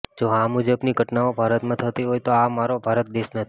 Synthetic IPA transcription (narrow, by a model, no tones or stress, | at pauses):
d͡ʒoɦamud͡ʒəbniɡʱəʈnaobʱaɾət̪mãt̪ʰət̪iɦojt̪oamaɾobʱaɾət̪̚d̪eʃnət̪ʰi